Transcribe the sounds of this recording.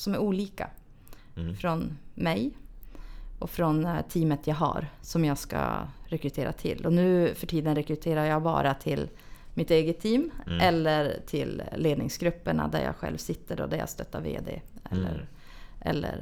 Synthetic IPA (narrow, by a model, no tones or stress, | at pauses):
sɔmæɾuːliːka | fɾɔnmɛj | ʔɔfɾɔnt̪ʰiːmət̪ʰjɑːɡɦa̰ɾsɔmjɑːɡska̰ɾɛkɾɵt̪ʰeːɾat̪ʰɪ̰lːɔnʉ̟ːfœʈʰiːd̪ənɾɛkɾɵt̪ʰeːɾaɾjɑɡbɑ̰ːɾat̪ʰɪl | mɪt̪eːɡət̪ʰːiːmʔɛlːəɾt̪ʰɪlːeːd̪nɪŋsɡɾɵpːəɳad̪æɾjɑ̰ːɧɛ̰lvsɪt̪ːəɖɔ̰d̪æɾja̰st̪œt̪ːavḛːd̪ḛːɛlːəɾ | ʔɛlːə̰ɾ